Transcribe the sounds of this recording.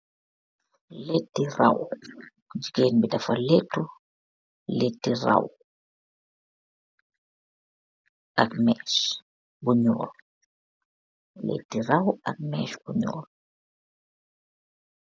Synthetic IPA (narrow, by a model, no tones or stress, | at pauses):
letːira̰w | d͡ʒikeːnbidafaletːu | letːira̰w | akmɛʃ | buɲɔ̰ːl | lḛtːiɾawa̰k̚mɛːʃbuɲɔ̰ːl